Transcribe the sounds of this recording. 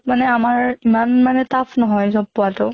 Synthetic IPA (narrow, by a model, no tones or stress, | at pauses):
manɛamaɹimanmanɛtapʰnɔɦɔjzɔb̚ːʊwatʊ